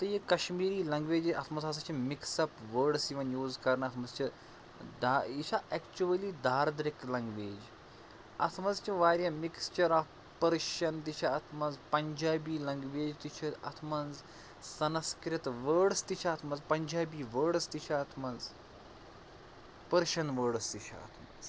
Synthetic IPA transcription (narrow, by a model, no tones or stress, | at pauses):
t̪ɐjikɐʃmiːɾiːlɐŋɡʋeːd͡ʒiɐt̪ʰmɐnzɐsɐt͡ʃʰimiksɐpʋəɾɖsjiʋɐnjuːzkɐɾnɐt̪ʰmɐzt͡ʃɐ | d̪ait͡ʃʰaʔɛkt͡ʃuɐliːd̪ʱaːɾd̪ɾɪklɐŋɡʋeːd͡ʒ | ɐ̰t̪ʰmɐzt͡ʃiʋaːɾjɐmikst͡ʃɐɾaːf | pɐɾʃɐnt̪it͡ʃʰɐɐt̪ʰmɐnzpɐɲd͡ʒaːbiːlɐŋɡʋeːd͡ʒt̪it͡ʃʰɐɐ̰t̪ʰmɐnz | sɐnɐskɾɪt̪ʋəːɽst̪it͡ʃʰaːt̪ʰmɐnzpɐɲd͡ʒaːbiːʋəːɖst̪it͡ʃʰaɐːt̪ʰmɐnz | pɐɾʃɐnʋəːɖst̪it͡ʃʰa̰ɐ̰t̪ʰmɐ̰nz